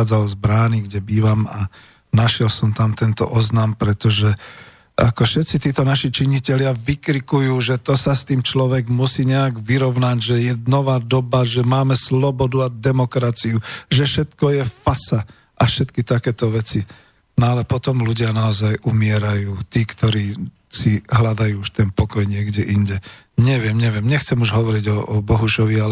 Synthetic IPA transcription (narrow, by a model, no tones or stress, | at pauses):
aːd͡zalzbɾaːniɡɟɛbiːʋama | naʃɪjɛlsɔmt̪amt̪ɛnt̪ɔ̰ʔɔznampɾɛt̪ɔʒɛ | ʔakɔʃɛt̪t͡sit̪iːt̪ɔnaʃit͡ʃiɲicɛʎɪaʋikɾikujuːʒɛt̪ɔsast̪iːmt͡ʃlɔʋɛɡmusiːɲɛaɡʋiɾɔʊnaɟʒɛjɛnɔʋaːd̪ɔbaʒɛmaːmɛslɔbɔd̪uad̪ɛmɔkɾat͡siuʒɛfʃɛt̪kɔjɛfasa | ʔafʃɛt̪kit̪akɛːt̪ɔʋɛt͡si | nɔalɛpɔt̪ɔmluɟɪanaɔzajʔumɪɛɾajuːt̪iːkt̪ɔɾiː | siɦlad̪ajuːuʃt̪ɛnpɔkɔjɲɪɛɡɟɛʔiɲɟɛ | ɲɛʋɪɛmɲɛʋɪɛmɲɛxt͡sɛmuʒɦɔʋɔɾiɟɔɔbɔɦuʃɔʋialɛ